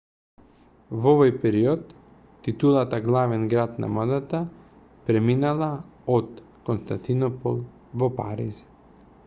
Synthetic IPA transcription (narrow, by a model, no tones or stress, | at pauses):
vɔvɔjpɛɾiɔt̪ː | it̪ulˠat̪aɡlˠavɛnɡɾat̪na̰mɔd̪at̪a | pɾɛminalˠaɔt̪ | kɔnst̪ant̪inɔpɔ̰lˠ | vɔpa̰ɾḭz